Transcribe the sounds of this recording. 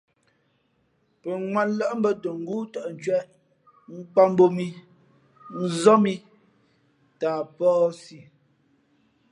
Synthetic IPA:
pə˨ŋwa˦˨nlə˦ʔm̩˦bə˦to˨ŋ̩˦ɡuː˦tɔ˨ʔn̩˨t͡ʃɥɛ˦ʔ | ŋ̩˦k͡pa˦m˦bo˦mi˦ | n̩˦zɔ˦mi˦ | taː˨pɔː˦si˨

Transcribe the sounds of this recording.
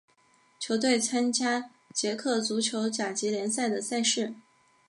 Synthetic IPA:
t͡ɕʰjo˧˥ʊt̪̬we˥˩ɪt͡sʰa˥nt͡ɕja˥ | t͡ɕjɛ˧˥kʰɤ˥˩t͡su˧˥t͡ɕʰjo˧˥ʊt͡ɕja˨˩t͡ɕi˧˥ljɛ˧˥nsa˥˩ɪd̪ə˩sa˥˧ɪʂɻ̩˥˩

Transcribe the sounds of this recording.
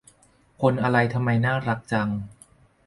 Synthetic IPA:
kʰo˧nʔa˧ɾa˧jt̪ʰa˧mːa˧jnaː˥˩ɾa˦k̚t͡ɕa˧ŋ

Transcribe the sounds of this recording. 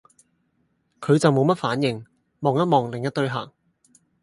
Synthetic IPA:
kʰɵ˨˧ɥt͡sɐ˨wmo˨˧wmɐ˥t̚faː˨˥njɪ˨˩ŋ | mɔː˨ŋjɐ˥t̚mɔː˨˩ŋlɪ˨ŋjɐ˥t̚t̪ɵ˥ɥɦa̰ː˨˩ŋ

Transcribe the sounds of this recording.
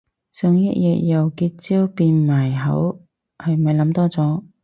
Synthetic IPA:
sœ˨˧ŋjɐ˥t̚jɛː˨˧t̚jɐ˨wkiː˧t̚t͡siː˥wpiː˧nmaː˨˩jɦɐ̰˨˥w | hɐ˨jmɐ˨jlɐ˨˧˥mt̪ɔː˥t͡sɔː˨˥

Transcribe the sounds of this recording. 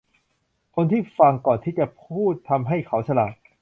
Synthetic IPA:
kʰo˧nt̪ʰiː˥˩fa˧ŋkɔː˨˩nt̪ʰiː˥˩t͡ɕa˨˩pʰuː˥˩t̪ʰːa˧mɦa˥˩jkʰa˦˥wsʰa˧laː˨˩p̚

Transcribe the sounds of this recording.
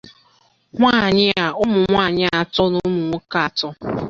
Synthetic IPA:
ŋʷa˦˨ɲɪ˦a˨ʊ˦mʊ˨ŋʷa˦˨ɲɪ˦a˨tɔ˦nʊ˦mʊ˨ŋʷʊ˦ka˨tɔ˦

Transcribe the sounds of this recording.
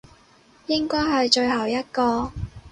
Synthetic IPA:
jɪ˥ŋkɔː˥jɦɐ˨jt͡ʃɵ˧ɥhɐ˨˩wjɐ˥t̚kɔː˧

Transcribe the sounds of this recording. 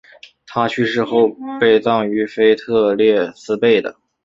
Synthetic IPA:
t̪ʰa˥t͡ɕʰy˥˧ʂɻ̩˥˧xo˥˧ʊpe˥˧ɪt͡sɑ˥˩ŋy˧˥fe˥ɪt̪ʰɤ˥˧ljɛ˥˩sɹ̩˥pe˥˩ɪd̪ə̰˩

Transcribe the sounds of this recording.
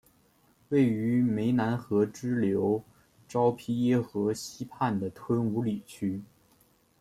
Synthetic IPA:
we˥˩ɪy˧˥me˧˥ɪna˧˥nxɤ˧˥ʈ͡ʂɻ̩˥ljo˧˥ʊ | ʈ͡ʂɑ˥ʊpʰi˥jɛ˥xɤ˧˥ɕi˥pʰa˥˩nd̪ə˩t̪ʰwə˥nu˧˥li˨˩t͡ɕʰy˥

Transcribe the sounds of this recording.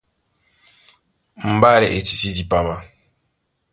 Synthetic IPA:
m̩˨ba˦lɛ˨ʔe˨ti̥˨ti˦di˨pa˨ba˦

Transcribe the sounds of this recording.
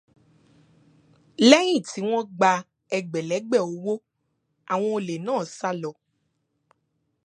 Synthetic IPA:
lɛ˦j̃ĩ˦˨ti˨˦w̃ɔ̃˦ɡ͡ba˧ | ɛ˧ɡ͡bɛ˨lɛ˨˦ɡ͡bɛ˦˨o˨˦wo˦ | a˨w̃ɔ̃˧o˧le˨nãː˦˨sa˦lɔ˧˨

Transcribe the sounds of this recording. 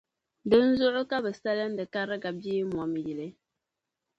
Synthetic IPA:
dɨ˦n̩˦zʊ˦ʔʊ˦ka˦bɨ˨sa˦lɨ˦n̩˦dɨ˨ka˦ɾɨ˦ɡa˨bi˦m˨ɔ˨m˨ji˨lɨ˨˦

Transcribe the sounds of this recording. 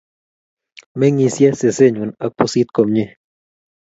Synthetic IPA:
me˦ŋi˧sje˦se˨se˦ɲu˨na˨k̚pusi˦t̪̚ko˨mɲe˦

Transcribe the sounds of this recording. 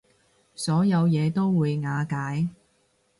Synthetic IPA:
sɔː˨˥jɐ˨˧wjɛː˨˧t̪o˥wwuː˨˧jŋaː˨˧kaː˨˥j

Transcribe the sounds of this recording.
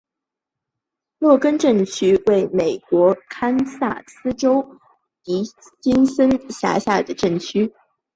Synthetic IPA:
lwɔ˥˩kə˥nʈ͡ʂɤ˥˩ŋt͡ɕʰy˥we˥˩ɪme˨˩ɪkwɔ˧˥kʰa˥nsa̰˥˩sɹ̩˥ʈ͡ʂo˥ʊ | t̪i˧˥ | t͡ɕi˥nsə˥nɕja̰˧˥ɕja˥˩d̪ə˩ʈ͡ʂɤ˥˩ŋt͡ɕʰy˥

